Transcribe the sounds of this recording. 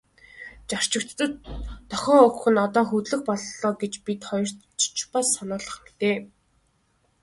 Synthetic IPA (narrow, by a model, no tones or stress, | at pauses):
t͡ɕar̥t͡ɕɪ̆kt̪ːə̆t̪ʰːɔxʲɔːɵkxɵ̆nɔt̪ɔːxɵt̪ɮɘ̆xpɔɮɮɔːɡet͡ɕpit̪χɔjɞ̆r̥ | t͡ɕpasːɔnʊːɮə̆χ̆mt̪eː